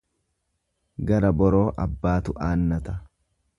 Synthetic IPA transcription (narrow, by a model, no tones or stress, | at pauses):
ɡɐɾɐbɔɾo̞ːʔɐbːaːt̪ʊʔaːnːɐt̪ɐ